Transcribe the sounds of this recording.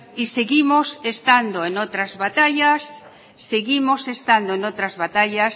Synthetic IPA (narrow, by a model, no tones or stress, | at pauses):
iseɣimosest̪and̪oenot̪ɾazβat̪aʎasː | eɣimosest̪and̪oenot̪ɾazβat̪aʎas